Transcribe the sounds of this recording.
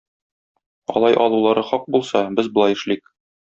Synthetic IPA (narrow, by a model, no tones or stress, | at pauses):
ɒ̰lˠɑjʔɒlˠulˠɑɾɤχɒq̚bulˠsɑbɘzbŏlˠɑjɘ̆ʃlik̚